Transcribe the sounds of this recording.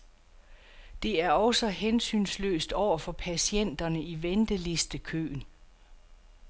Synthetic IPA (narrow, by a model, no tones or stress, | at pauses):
d̥e̝æɐɒ̽sɒɦensy̰ːnslø̰ːsd̥ɒʊ̰ɐfɒ̽pʰæsien̰d̥ɐnəiʋend̥əle̝sd̥əkʰø̰ːn